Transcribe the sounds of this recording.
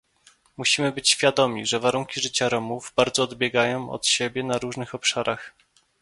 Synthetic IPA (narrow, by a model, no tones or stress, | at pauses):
muɕimɘbɘt͡ɕɕfʲjad̪ɔmʲiʐɛvaɾuŋkʲiʐɘt͡ɕaɾɔmuvbaɾd̪zɔːd̪bʲjɛɡajɔ̃w̃ɔ̰t̪ɕɛbʲjɛnaɾuʐnɘxɔpʂaɾax